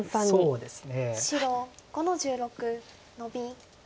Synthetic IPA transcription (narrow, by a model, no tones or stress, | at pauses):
aoːd̪e̞sɨ̥neɕiɾoɡo̞no̞d͡ʑɨːɾo̞kɯ̟ | no̞bʲi